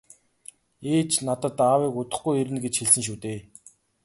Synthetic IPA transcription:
eːt͡ɕnat̪ə̆t̪aːwiːkʊt̪ə̆χɡujeɾɘ̆nɡet͡ɕxeɮsɘ̆ŋʃ̬uːt̪eː

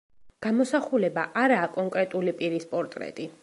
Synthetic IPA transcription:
ɡ̥amɔsaχulɛbaʔaɾaːkʼɔŋkʼɾɛt̪ʼulipʼiɾispʼɔɾt̪ʼɾɛ̰t̪ʼi

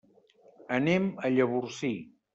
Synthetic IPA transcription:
əneməʎəβursi

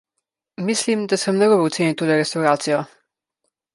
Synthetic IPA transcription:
mislimd̪asəmnɔɡɔbɔwt̪seːniwt̪oːlɛɾɛst̪awɾaːt̪sijɔ

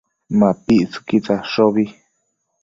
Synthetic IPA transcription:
mãpiʔt͡su̥kit͡saʂoβi

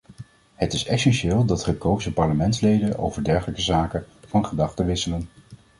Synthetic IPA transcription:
ɦətɪsɛsɛnʃɪːlˠdɑtχəkowzəpɑɹləmɛntslejdənʔo̰wvəɹdɛɹχələkəzaːkə | v̥ɑnχədɑχtəʋɪsələn

